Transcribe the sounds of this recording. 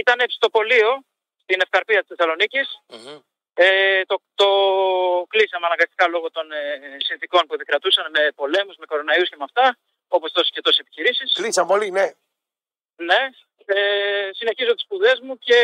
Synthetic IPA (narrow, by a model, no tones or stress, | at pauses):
it̪ɐnepsi̥t̪o̞po̞lio̞ | st̪ine̞fkɐɾpiɐt̪ist̪esɐlo̞nicis | et̪ot̪o̞ | klisɐmeɐnɐŋɡɐst̪i̥kɐlo̞ɣot̪o̞nsinθiko̞npuðekɾɐt̪usɐnme̞po̞le̞muzme̞ko̞ɾo̞nɐiusce̞mɐft̪ɐ | o̞po̞sðo̞scet̪o̞ssepiçiɾisisklisɐmpoline | ne̞ | esine̞çizo̞t̪i̥spuðezmuce̞